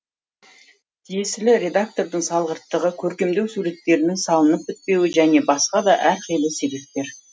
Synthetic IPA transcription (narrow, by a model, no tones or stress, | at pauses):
t̪ʰijesɪlɪɾʲe̞d̪ak̚t̪o̞ɾd̪əɴsɑlˠʁəɾt̪ːəʁəkʲʰɵɾkʲe̞md̪e̞wsuɾe̞t̪ːe̞ɾɪnɪŋsɑlˠənəp̚ɪt̪̚pe̞wɪʒæne̞bɑsqɑd̪ɑʔæɾqʰijlˠɪse̞be̞p̚t̪ːe̞ɾ